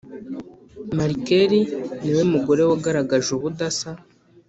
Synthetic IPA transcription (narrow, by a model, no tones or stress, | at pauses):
maɾikeɾiniwe̞muɡo̞ɾe̞waɡaɾaɡaʒuβudasa